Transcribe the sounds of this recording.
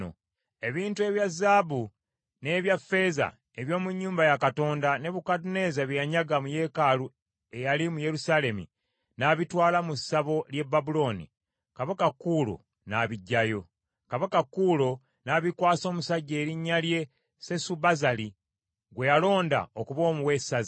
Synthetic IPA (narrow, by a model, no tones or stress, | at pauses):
o̰ | e̞βiːntue̞βjazːaːβu | ne̞ːβjafːe̞za̰ | e̞βjo̞ːmuɲːuːmbajakato̞ːndane̞βukadune̞zaβjjaɲaɡamuje̞ːkaːlu | e̞jalimuje̞ɾusale̞mḭ | naβitwaːlamusaβo̞lje̞bːabulo̞nḭ | kaβakakːuːlo̞̰ | naβiɟːajo̞ | kaβakakːuːlo̞ | naβikwaːso̞ːmusaɟːe̞ːɾiɲːalje̞ | sesubazali | ɡwe̞jalo̞ːnda̰okuβo̞ːmuwesazi